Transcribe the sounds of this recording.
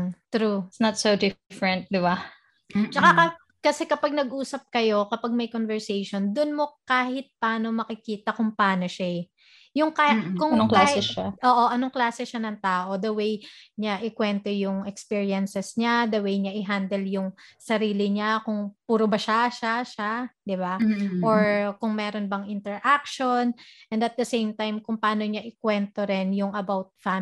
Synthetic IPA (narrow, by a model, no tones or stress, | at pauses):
t̪ɾuɪsnɐt̪sod̪ɪfɹɛnt̪̚d̪ɪba | t͡ʃɐkakɐ | kɐsɛkɐpɐɡ̚nɐɡʔuːsɐp̚kɐjo̞kɐpaɡ̚mɐjkonvɛɹsejʃond̪ʊnmo̞kaːhɪt̪̚paːnomɐkɪkiːt̪ɐkʊŋpɐaːno̞ʃa | jʊŋkakʊŋnoŋklaːsɛʃaʔoːʔoʔɐnoŋklaːsɛʃanɐŋt̪aːʔo̞d̪ɐwejɲaʔɪkwɛnt̪o̞jʊŋɛkspiɹijɐnsɛsɲad̪ɐwejɲaʔɪɦand̪ɛljʊŋsɐɾiːlɪɲakʊŋpuːɾobɐʃaʃaʃad̪ɪbaʔoɹkʊŋmɛːɾonbɐŋɪnt̪ɛɹʔak̚ʃonʔɛnd̪ɐt̪̚d̪ɐsejmt̪ajmkʊŋpɐaːno̞ɲaʔɪkwɛnt̪oɾɪnjʊŋɐbawt̪̚fam